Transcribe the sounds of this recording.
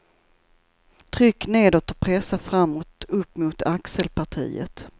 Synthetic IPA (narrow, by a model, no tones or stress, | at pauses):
t̪ʰɾʏkːneːd̪ot̪əpʰɾɛsːafɾamːɔt̪ɵpːmʊt̪ʰaksəlpʰaʈʰḭːə̰t̪